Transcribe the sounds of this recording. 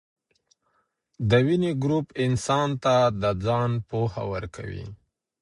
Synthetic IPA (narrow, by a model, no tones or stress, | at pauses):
d̪əwineɡɾupɪnsɑnt̪ad̪əd͡zɑnpoha̰wəɾkʰa̰wḭ